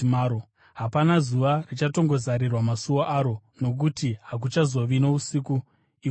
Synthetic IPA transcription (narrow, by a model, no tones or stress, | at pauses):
maɾo | ɦapanazuʋarit͡ʃato̞ŋɡo̞zaɾirwamasuwoʔaɾo̞no̞k̬utiɦak̬ut͡ʃazo̞ʋino̞usiku | i